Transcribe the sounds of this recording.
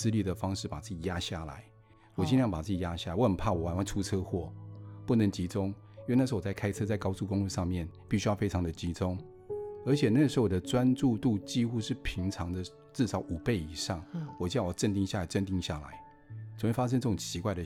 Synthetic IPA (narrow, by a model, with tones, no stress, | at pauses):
sɹ̩˥li˥˩d̪ə˩fɑ˥ŋʂɻ̩˥˩pa˨˩t͡sɹ̩˥˩t͡ɕi˨˩ja˦˥ɕja̰˥˩la̰˨˧˦ɪ | wɔ˨˩t͡ɕi˥n˥˧˥pa˨˩t͡sɹ̩˥˩t͡ɕi˨˩ja˥ɕa˥˩a˨˦wɔ˧˦xə˨˩npʰa˥˩wɔ˨˩wa˨˦nwa˥˩nʈ͡ʂʰu˥t͡sʰɤ˥xwɔ˥˩pu˥˩nə˧˦ŋt͡ɕi˧˥t͡sʊ˦ŋ˥˧ | n̩˥˩˧a˥˩kʰa˥ɪt͡sʰɤ˥t͡sa˥˩kɑ˥ʊt͡su˥˧kʊ˥˦ŋu˥˧ʂɑ˥˧ŋmjɛ˥˨npi˥˩ɕy˥jɑ˥˩ʊfe˥ɪʈ͡ʂʰɑ˧˥ŋd̪ə˨t͡ɕi˧˥t͡sʊ˥ŋ | ə˞˧˥t͡ɕʰjɛ˨˩na˥˩ə˩ʂ̩˧˥˧d̪ə˩t͡swa˦nʈ͡ʂu˥˧t̪u˥˧t͡ɕi˥xu˥˧ʂɻ̩˥˩pʰi˧˥ŋt͡sʰɑ˧˥ŋd̪ə˨ | ʈ͡ʂɻ̩˥˩ʂɑ˨˥ʊʔu˨˩pe˥˩ɪi˨˩ʂɑ˥˩ŋwɔ˨˩t͡ɕi˥jʈ͡ʂə˥˧nt̪i˥˧ŋɕja˥˩la˨˥ɪʈ͡ʂə˥˧nt̪i˥˧ŋɕja̰˥˩la̰˧˦ɪ | t͡so˨˩we˥˩fa˥ʂ̬ə˥nʈ͡ʂɤ˥˩ʈ͡ʂʊ˨˩ŋt͡ɕʰi˧˥kwa˥˧ɪd̪ə˨˩